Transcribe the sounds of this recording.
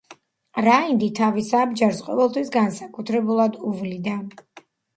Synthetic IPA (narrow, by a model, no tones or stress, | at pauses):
ɾaind̪it̪ʰavisaːbd͡ʒaɾsqʼɔ̰vɛlˠt̪ʰwisɡansakʼut̪ʰɾɛbulˠad̪uvlid̪a